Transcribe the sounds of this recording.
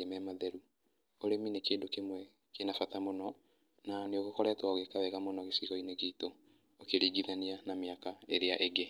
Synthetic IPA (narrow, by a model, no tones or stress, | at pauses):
emɛmaðɛɾu | oɾeminekeːndokemwɛ | kenafatamonɔ | naneoɣokɔɾɛtwaɣekaβɛɣamonɔɣesiɣɔineɣito | okeɾiːɡiðanianamjakaeɾeaʔeɡe